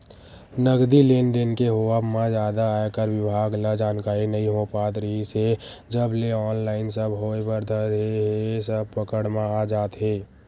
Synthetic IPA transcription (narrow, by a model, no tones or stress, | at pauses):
nəɡd̪ileːnd̪enkeɦoabmãd͡ʒjaːd̪aːekəɾwɪbʱaːɡləd͡ʒaːnkaːɾinəɦĩɦopaːt̪ɾəɦised͡ʒəbleɔːnlaːɪnsəbɦoːebəɾd̪ʱəɾɦeɦeesəb̚pəkəɽmãad͡ʒaːt̪ɦeː